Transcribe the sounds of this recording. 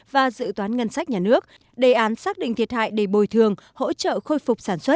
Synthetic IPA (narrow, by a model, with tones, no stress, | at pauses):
vaː˨˩zɨ̰˧˨t̪waː˨˦nŋə˧nsa˦˥k̟̚ɲaː˨˩nɨ˦˥ək̚ | ɗe˨˩ʔaː˨˦nsaː˦˥k̚ɗḭ˧˨ŋt̪ʰi˨˩ət̚ha̰ː˧˨jɗe˧˩ɓo˨˩jt̪ʰɨ˨˩əŋho̰˧˥t͡ɕə̰ː˧˨xo˧jfʊ˨˩k͡p̚saː˧˩nswə˦˥t̚